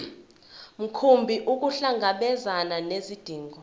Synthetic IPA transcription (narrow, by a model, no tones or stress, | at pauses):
m̩kʰumbʱiʔuk̬ʼuɬaŋɡʱaɓɛzananezid̥ʱiːŋɡʱɔ